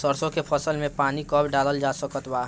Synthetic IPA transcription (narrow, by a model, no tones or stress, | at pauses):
səɾsõkepʰəsəlmẽpaːnikəbɖaːləld͡ʒaːsəkət̪baː